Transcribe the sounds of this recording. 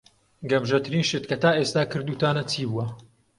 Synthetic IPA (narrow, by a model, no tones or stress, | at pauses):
ɡɐmʒɐt̪ɨɾiːnʃet̪kʰɐt̪aːʔest̪aːkɨɾd̪uːt̪aːnɐt͡sʰiːbuwɐ